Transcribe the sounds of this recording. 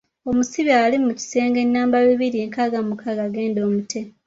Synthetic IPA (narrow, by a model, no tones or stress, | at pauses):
o̞musiβialimuci̥se̞ːŋɡe̞nːaːmbaβiβiɾieŋkaɡamukaɡaɡe̞ːndo̞ːmutʰe̞